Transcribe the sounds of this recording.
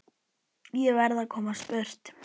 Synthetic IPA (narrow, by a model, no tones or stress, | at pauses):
jɛvɛɾðakʰɔːmaspœr̥t̪